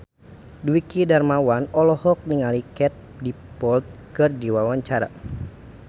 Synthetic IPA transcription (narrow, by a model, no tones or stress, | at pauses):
dwikidarmawanɔlɔhɔk̚niŋalikɛt̪̚ | di | pɔlt̪̚ | kɨrdiwawaɲt͡ʃaɾa̰